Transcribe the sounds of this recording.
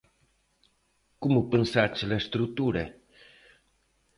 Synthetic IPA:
kumupənsat͡ʃelest̪ɾut̪uɾe

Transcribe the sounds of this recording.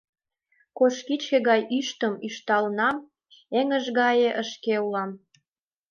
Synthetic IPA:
koʃkit͡ɕkeɣɑjyʃt̪əmyʃt̪ɑlnɑm | eŋəʒɣɑjeʔəʃkeulɑm

